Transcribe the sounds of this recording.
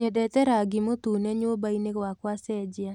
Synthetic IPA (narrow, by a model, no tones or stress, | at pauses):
ɲedɛt̪ɛɾaɡimot̪uneɲobainekwakwasɛd͡ʒja